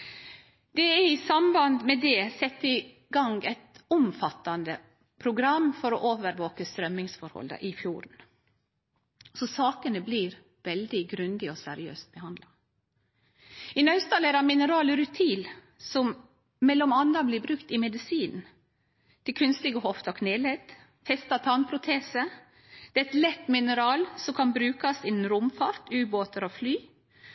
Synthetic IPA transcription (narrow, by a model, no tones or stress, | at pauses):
d̪̥ɛɛɾɪsɑmbɑnd̪mɛd̪ɛsɛt̪ːɪ | ɡɑŋɡɛɪt̪ʊmfɑt̪ːɑnd̪ə | pʰɾʊɡɾɑmfɔɾɔʔoːʋəɾʋoːkəst̪ɾœmːɪŋsfɔɾhɔ̰lə̰ʔɪfjuːɾn̩ | sɔsɑːkənəbliːɾ | ʋɛld̪ɪɡɾʉnd̪ɪɔsɛɾɪø̰ːst̪̚bəhɑnd̪lɑ | ɪnɑʉst̪ɑlæɾɑmɪnəɾɑːlɾʉt̪ʰiːl | sɔm | mɛlːɔmɑnɑblɪbɾʉkt̪ɪmɛd̪ɪsiːnn̩ | t̪ɪkʰʉnst̪ɪɡəhɔft̪ɑkʰneːlet̪ | fɛst̪ɑt̪ʰɑnpʰɾʊt̪ʰeːsə | d̪̥ɛɛt̪lɛt̪ːmɪnəɾɑːlsɔkʰɑnbɾʉːkɑsɪnn̩ɾʊmfɑɾt̪ʰʉːboːt̪əɾɔflyː